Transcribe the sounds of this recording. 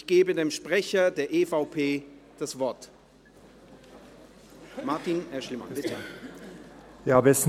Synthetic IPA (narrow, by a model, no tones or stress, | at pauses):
çɡ̥eːbədeːmʃpʁ̥ɛçɐdeːɐʔeːfaʊpʰeːd̥asv̥ɔɐt | maɐtinɛɐʃlɪma̰nbɪtʰə | jabəɛs